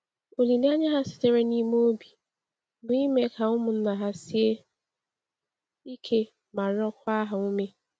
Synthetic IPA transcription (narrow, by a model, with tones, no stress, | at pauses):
o˨li˨ne˦a˦ɲa˦ɦa˦sɪ̥˨te˦ɾe˦ni˦m˦o˦bi˨ | bʊ˨i˦me˦ka˨ʊ˦mʊ˨n̩˦na˨ɦa˦si˦e˦ | i˦kʰe˦ | ma˨ɾɔ˦kʷa˦ɦa˨u˦me˦